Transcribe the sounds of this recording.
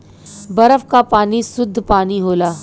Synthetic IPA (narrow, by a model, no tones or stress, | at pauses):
bɐɾəfkapaːnisʊd̪ʱːpaːniɦoːlaː